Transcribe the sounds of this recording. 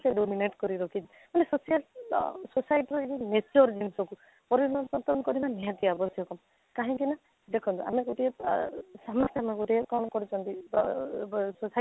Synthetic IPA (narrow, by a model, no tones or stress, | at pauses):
seɖomineʈkɔɾiɾɔkʰiti | manesosijalsosajʈiɾɔed͡ʒimet͡ʃɔɾd͡ʒimsɔku | pɔɾinɔnsɔnt̪ɔɾɔnɔkɔɾimanːiat̪iabɔsjɔkɔm | kaɦɔ̃ŋkina | d̪ekʰɔnt̪ua̰meɡoʈiesamɔɾt̪ʰameɡoʈiekɔnkɔɾit͡ʃʰɔnt̪i | sosa